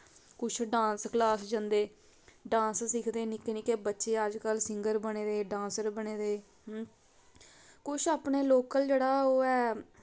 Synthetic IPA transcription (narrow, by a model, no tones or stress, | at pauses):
kʊt͡ʃʰɖãːnsklaːsd͡ʒə̃nd̪eː | ɖãːnssɪkʰd̪eːnɪkenɪkeːbətːʃeːəd͡ʒkəlsɪŋɡəɾbəɽ̃eːd̪eːɖãːnsəɾbəɽeːd̪eː | kʊt͡ʃʰaːpɳeːloːkəld͡ʒeːɽaːoːɛː